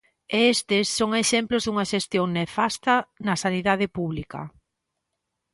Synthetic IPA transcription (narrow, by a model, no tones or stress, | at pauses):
est̪ɪsːoŋeʃemplozðuŋɐʃest̪joŋnefast̪ɐnɐsaniðað̞ɪpuβlikɐ̰